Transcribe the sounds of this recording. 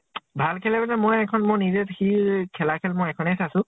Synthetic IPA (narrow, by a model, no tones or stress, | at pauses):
bʱalkʰɛlɛbanɛmɔjɛkʰɔnmʊɹnizɛtxikʰɛlakʰɛlmɔjɛkʰɔnɛjsasʊ̃